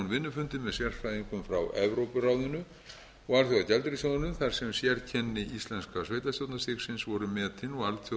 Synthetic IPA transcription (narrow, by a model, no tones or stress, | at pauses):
nvɪnːʏfʏnt̪ɪmɛðsjɛr̥fajðiŋkʏmfɾa̰wɛ̰vɾowpʏrawðʏnʏ | ɔɣalθjoɣacɛlt̪ɾisjoðʏnʏmθar̥sɛmsjɛɾcʰɛnːɪʔist̪lɛnskasveːjt̪ast̪jowt̪nast̪ɪksɪnsvɔɾʏmɛːt̪ʰɪnɔɣalt̪ʰ